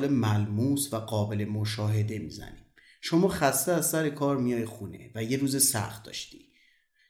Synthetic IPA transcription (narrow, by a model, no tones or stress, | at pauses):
lemælmuːsvæɡɒːbe̞le̞moʃɒːɦe̞d̪e̞mḭzæ̰nim | ʃo̞mɒːxæst̪eæzsæɾe̞kʰɒːɾmijɒːjexune̞̰væje̞ɾuːzesæ̰xt̪̚d̪ɒ̰ːʃt̪iː